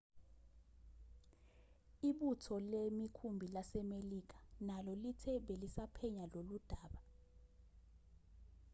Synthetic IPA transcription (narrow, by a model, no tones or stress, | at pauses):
iɓutʰɔlemikʰumbʱilasɛmelik̬ḁnalɔlitʰɛɓelisapʰɛɲalolud̥ʱaːɓa